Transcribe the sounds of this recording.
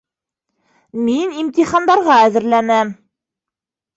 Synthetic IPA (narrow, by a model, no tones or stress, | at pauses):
minimt̪iχɑnd̪ɑɾʁɑæðɘ̆ɾlænæm